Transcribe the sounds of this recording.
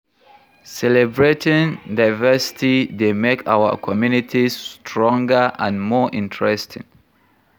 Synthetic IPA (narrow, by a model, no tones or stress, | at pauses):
sɛlɛbɹetĩndaɪvɛsi̥tidemekʰa̰wə̰kʰɔmjunitʰistʰɹɔ̃ŋɡəʔãnmɔʔĩntʰɹɛstʰḭ̃ŋ